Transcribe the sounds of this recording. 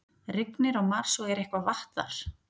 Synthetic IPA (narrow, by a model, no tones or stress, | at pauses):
rɪknɪɾɔɣmaɾ̥sɔɛɾehkvavaht̪ða̰ɾ̥